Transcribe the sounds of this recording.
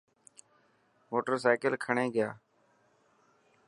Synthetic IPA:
moːʈəɾsaːkəlkʰəɳeːɡɪja̰ː

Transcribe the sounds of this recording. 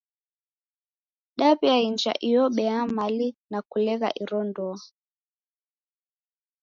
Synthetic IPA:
ɗaβiaind͡ʒa̰ʔijɔɓɛamalinakulɛɣa̰ʔiɾɔndɔ

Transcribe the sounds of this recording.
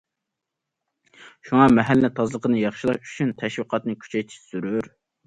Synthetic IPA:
ʃuŋɑmɛɦælːɪt̪ʰɑzlˠəqʰənɨjɑχʃilˠɑʃy̥t͡ʃʰynt̪ʰɛʃwiqʰɑt̪nɨkʲʰy̥t͡ʃʰɛjt̪ʰi̥ʃsyɾyɾ

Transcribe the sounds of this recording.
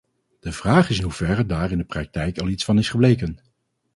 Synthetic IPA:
d̥əv̥raːχɪsɪnɦuv̥ɛrədaːrɪndəprɑk̚tɛjkɑlˠitsfɑnɪsχəblejkən

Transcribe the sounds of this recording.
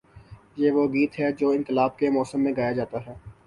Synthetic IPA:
jeʋoɡiːt̪ɦɛd͡ʒoːɪ̃nkɪlaːb̚kemɔːsəmːẽɡaːjad͡ʒaːt̪aɦɛː

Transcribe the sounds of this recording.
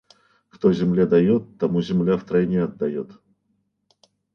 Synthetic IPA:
kt̪ozʲɪmlʲed̪ɐjut̪ːɐmuzʲɪmlʲaft̪ɾɐenʲɪɐd̪ːɐjot̪

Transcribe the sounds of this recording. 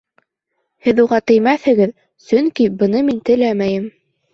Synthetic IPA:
hɘðuʁɑt̪ɘ̆jmæθhɘ̆ɡɘð | sɵŋkibɤ̆nɤmint̪ɘ̆læmæjɘm

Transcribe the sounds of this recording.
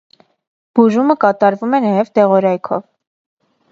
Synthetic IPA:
b̥uʒuməkɑt̪ɑɾvumɛnɑjɛvt̪ɛʁɔɾɑjkʰɔ̰v

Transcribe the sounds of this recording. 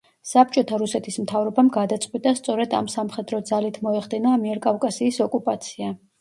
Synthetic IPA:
sap̚t͡ʃʼɔt̪ʰaɾusɛt̪ʰismt̪ʰavɾɔbamɡad̪at̪sʼqʼwit̪ʼast̪sʼɔɾɛd̪a̰msamχɛd̪ɾɔd̪zalit̪ʰmɔɛχd̪ɛnamiɛɾkʼavkʼasiːsɔkʼupʼat̪sʰia

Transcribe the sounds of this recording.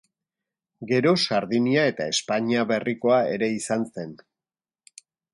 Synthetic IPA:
ɡe̞ɾo̞saɾðiniae̞t̪ae̞spaɲiaβe̞rʔiko̞ae̞̰ɾe̞isanse̞n

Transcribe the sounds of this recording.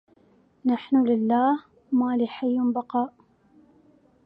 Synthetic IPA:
naħnʊlɪlːaːh | maːliħajːnbɑqɑːʔ

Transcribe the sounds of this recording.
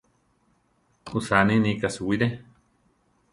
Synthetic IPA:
usanĩnĩkasuwiɾe

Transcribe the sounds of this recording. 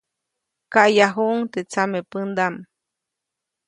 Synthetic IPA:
kaʔjaɦuʔŋt̪et͡samepɨnd̪am

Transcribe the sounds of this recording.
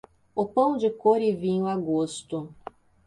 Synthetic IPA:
ʊpɐ̃w̃d͡ʒɪkoɾɪvĩɲʊaɡost̪ʊ

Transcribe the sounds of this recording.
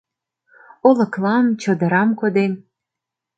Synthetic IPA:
olɤ̆klɑmt͡ɕɤ̆d̪ə̆ɾɑmkod̪en

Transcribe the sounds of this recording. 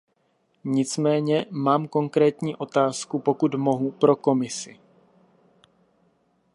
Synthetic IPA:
ɲɪt͡smɛːɲɛmaːmko̞ŋkɾɛːt̪ɲiːʔo̞t̪aːskupo̞kut̪mo̞ɦupɾo̞ko̞mɪsɪ

